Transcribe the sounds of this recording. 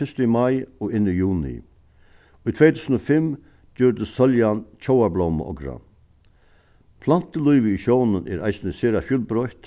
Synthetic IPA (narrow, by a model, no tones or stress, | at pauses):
ɪst̪əimajɔːɪnːəjuːnɪ̰ | ujt̪ʰvɛjt̪ʰuːsnofɪm | d͡ʒɔɾd̪əssœljant͡ʃʰɔwablowmə̰ʔɔ̰kɾa̰ | pʰlan̥t̪əlujʋəiʃɔwnənʔɛ̰ːɾa̰ɪjsnəseːɾafjulbɾɔʏt̪